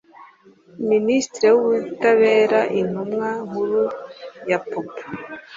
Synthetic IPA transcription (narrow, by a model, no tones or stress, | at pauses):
ministɾewuβutaβeːɾaʔin̥umŋahuɾujapopḁ